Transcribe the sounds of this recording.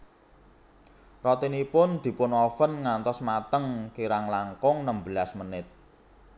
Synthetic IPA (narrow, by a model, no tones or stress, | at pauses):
rɔt̪inipʊnd̪̥i̤pʊnɔfənŋant̪ɔsmat̪əŋkiɾaŋlaŋkɔŋnəmbəlasmənɪt̪̚